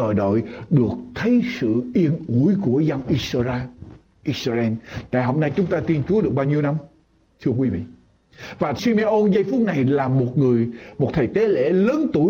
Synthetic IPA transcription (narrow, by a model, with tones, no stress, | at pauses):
əː˨˩jɗo̰˧˨jɗɨ˨˩ək̚t̪ʰə˨˦jsɨ̰˧˨ʔi˧ənʔu˧˩əjku˧˩əza˧wnʔi˧szaː˧ | ʔi˧sa˧ɛ˧nt̪a̰ː˧˨jɦo˧mna˧jt͡ɕʊ˨˦ŋ͡mt̪aː˧t̪i˧nt͡ɕu˨˦ɗɨ˨˩ək̚ɓaː˧wɲi˧əwna˧m | t̪ʰɨ˧ək̬wi˨˦vḭ˧˨ | vaː˨˩si˧me˧ʔo˧nzə˧jfʊ˦˥t̚na˨˩jlaː˨˩mo˨˩t̚ŋɨ˨˩əjmo˨˩t̚t̪ʰə˨˩jt̪e˨˦lḛ˧˥˩ləː˨˦nt̪u˧˩